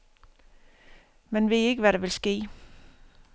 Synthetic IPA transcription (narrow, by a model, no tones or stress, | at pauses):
menʋe̝ðe̝ɡ̥əʋæɾeʋelsɡ̥e̝̰ː